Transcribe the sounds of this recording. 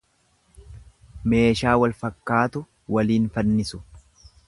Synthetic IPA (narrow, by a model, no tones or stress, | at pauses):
me̞ːʃaːwɐlfɐkːaːt̪ʊ | wɐliːnfɐnːɪsʊ̥